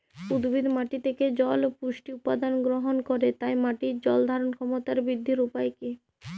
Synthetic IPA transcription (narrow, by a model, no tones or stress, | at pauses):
ud̪bʱid̪maʈit̪ʰeked͡ʑɔlpuʃʈiupad̪anɡɾoɦonkoɾet̪ajmaʈid͡ʑɔld̪ʱaɾonkʰɔmot̪aɾbid̪ʱːiɾupajke